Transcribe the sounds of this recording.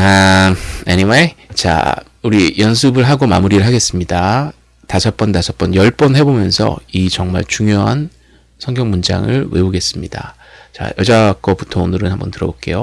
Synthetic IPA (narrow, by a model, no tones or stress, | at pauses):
a | eniwet͡ɕa̰ | uɾijʌns̬ʰɯbɯɭɦaɡoma̰muɾiɾɯɭɦaɡe̞s͈ɯmɲida | tasʰʌp͈ʌntasʰʌp͈ʌnjʌɭp͈ʌnɦe̞bomjʌnsʰʌ̰it͡ɕʌŋma̰ɭt͡ɕuŋjoɦa̰n | sʰʌŋɡjʌŋmund͡ʑa̰ŋɯɭwe̞̰uɡe̞s͈ɯmɲida̰ | t͡ɕa̰jʌd͡ʑak͈ʌputʰonɯɾɯnhambʌntɯɾʌbok͈e̞̰jo